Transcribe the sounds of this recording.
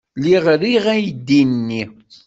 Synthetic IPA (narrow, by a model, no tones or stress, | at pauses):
liʁɾiʁæjd̪ːinnːi